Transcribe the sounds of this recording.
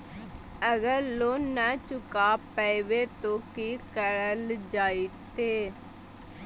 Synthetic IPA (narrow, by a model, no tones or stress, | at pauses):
əɡəɾloːnət͡ʃʊkaːpəeʋeːt̪oːkiːkəɾəld͡ʒaːit̪eː